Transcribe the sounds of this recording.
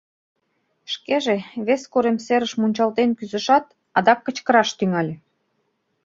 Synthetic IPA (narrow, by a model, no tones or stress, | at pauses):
ʃkeʒeβeskoɾemseɾəʃmunʲt͡ɕɑlt̪enkyzə̆ʃɑt̪ | ɑd̪ɑk̚ːə̆t͡ɕkə̆ɾɑʃt̪yŋɑlʲe